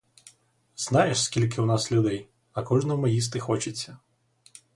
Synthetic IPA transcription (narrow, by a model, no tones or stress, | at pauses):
z̥nɑjeʃskʲilʲk̬ɪʊnɑslʲʊd̪ɛj | ɐkɔʒnɔmʊjis̬t̪ɪxɔt͡ʃɪt͡sʲːɐ